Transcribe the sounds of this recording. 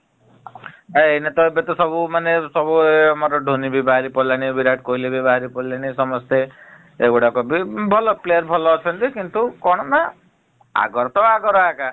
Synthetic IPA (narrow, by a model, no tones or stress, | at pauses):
einet̪ɔebet̪ɔsɔbumanesɔbuamaɾɔɖʱonibibaɦaɾipɔlaɽ̃ibiɾaʈ̚koɦilebibaɦaɾipɔilaɽ̃isɔmɔst̪eː | ɡuɽakɔbibʱɔlɔplejɔɾbʱɔlɔːt͡ʃʰɔnt̪ikint̪ukɔɽ̃ɔna | a̰ɡɔɾt̪ɔaɡɔɾɔaka